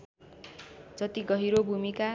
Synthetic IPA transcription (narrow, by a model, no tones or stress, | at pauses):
d͡zʌt̪iɡʌɦiɾobʱumika